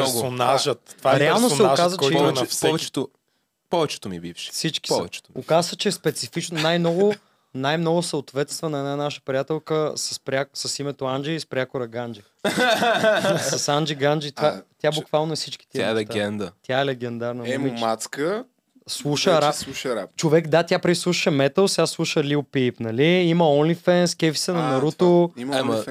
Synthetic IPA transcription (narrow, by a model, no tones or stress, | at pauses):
ɔɡonaʒət̪vaɾɛalˠnosɛoʒkazəkt͡ʃɛiɔɛnɛsvɛt͡ʃɛ̥t̪o | pɔvɛt͡ʃɛ̥t̪omibifʃɛ̥fsit͡ʃki̥ɔvɛt͡ʃɛ̥t̪okazsət͡ʃɛspɛt̪sifit͡ʃnnajmnɔɡʊ | najmnɔɡʊsɐot̪vɛt̪st̪vɐnɐɛnanaʃə̥pɾijat̪ɛlˠkəsəspɾʲaksəsimɛt̪oand͡ʒɛispɾʲakʊɾɐɡand͡ʒi | sɐsand͡ʒiɡand͡ʒit̪vat̪ʲjabbʊkvalˠnoɛsit͡ʃki̥t̪iɛaɛlɛt̪ɡɛnd̪ət̪jaɛlɛɡɛnd̪aɾnɐiat̪skə | slˠuʃəɾapsˠuʃɾa̰pt͡ʃovɛkd̪at̪ʲjapɾɛd̪islˠuʃəʃəmɛt̪əlˠsiaslˠuʃəliʊpipnɐliimɐɔnlifɛnskɛfi̥sɛnɐmɐɾut̪ʊmm